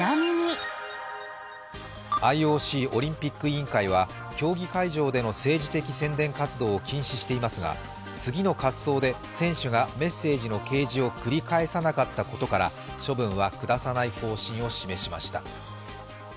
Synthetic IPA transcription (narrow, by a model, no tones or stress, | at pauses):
amʲiɲi | aio̞ːɕiːo̞ɾʲĩmpʲikːɯ̟ĩŋkaiβ̞a | kʲo̞ːɡʲikaiʑo̞ːd̪e̞no̞se̞ːʑit̪e̞kʲisẽ̞nd̪ẽ̞ŋkat͡sɨd̪o̞ːkʲĩɰ̃ɕiɕi̥t̪e̞imasɨɡa̰ | t͡sɨɡʲino̞kat͡ssso̞ːd̪e̞ | sẽ̞ɰ̃ɕɨɡame̞sːe̞ːʑino̞ke̞ːʑio̞kɯ̟ɾʲikae̞sanakat̪ːako̞t̪o̞kaɾa̰ | ɕo̞bɯ̟̃ɰ̃βakɯ̟d̪asanaiho̞ːɕĩɰ̃o̞ɕime̞ɕimaɕi̥t̪a̰